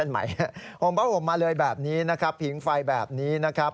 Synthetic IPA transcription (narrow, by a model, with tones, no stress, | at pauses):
e˥˩nma̰˩˦ja˦˥pʰo˨˩˦mba˦˥˩pʰo˨˩˦mːaː˧lɤː˧jbɛː˨˩p̚niː˦˥na˦˥kʰɾa˦˥pʰːi˩˦ŋfa˧jbɛ̰ː˨˩p̚niː˦˥na˦˥kʰɾa˦˥p̚